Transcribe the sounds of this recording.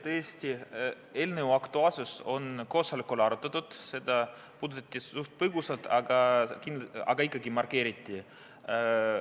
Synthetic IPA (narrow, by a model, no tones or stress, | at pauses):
t̪ɤesʲt̪ʲi | eːlneuɑkt̪uɑːlsuso̞nko̞ːsɑlikːolɑɾut̪ːˑɑt̪ːud̪̥se̞d̪̥ɑ | puːd̪ut̪ːˑɑt̪ʲˑːiuht̪̚pɤɡusɑlt̪ɑɡ̥ɑkind̪ɑ̰ɡ̥ɑikːˑɑɡimɑrke̞ːɾit̪ʲˑːi